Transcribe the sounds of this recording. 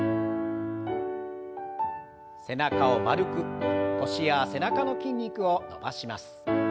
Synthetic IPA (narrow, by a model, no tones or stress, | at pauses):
se̞nakao̞maɾɯ̟kɯ̟ko̞ɕijase̞nakano̞kʲĩɲ̟ʲːikɯ̟o̞no̞̰ba̰ɕimasɨ̥